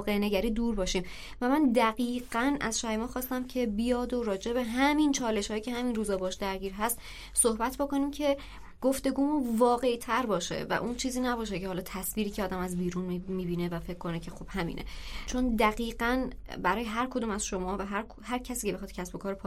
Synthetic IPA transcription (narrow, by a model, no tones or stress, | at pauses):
ɣeneɟæɾiːd̪uːɾbɒːʃiːm | væmænd̪æɣiːɢænʔæzʃæɾemɒːχxɒːst̪æmcʰe̞bijɒːd̪o̞ɾɒːd͡ʒe̞be̞ɦæmint͡ʃʰɒːle̞ʃhɒːjicʰe̞hæminruːzɒːbɒʃd̪æɾɟiːɾɦæst̪ | sohbæt̪ʰbo̞ko̞niːmcʰe̞ | ɡ̥o̞ft̪e̞ɡuːmunvɒːɣe̞it̪ʰæɾbɒːʃe̞̰væ̰ʔunt͡ʃʰiːziːnæbɒːʃ̬ecʰehɒːlɒːt̪ʰæsviːɾiːcʰeɒːd̪æmæzbiːɾunmiːbiːne̞væfe̞cʰkːo̞necʰe̞xub̥hæmḭːnʔḛt͡ʃʰo̞nd̪æɣiːɢænbæɾɒːjeɦæɾkʰo̞d̪uːmæzʃo̞mɒːvæɦæɾkhæɾcʰæsiːcʰee̞xɒːd̪̥cʰæsbo̞kʰɒːɾpʰɒ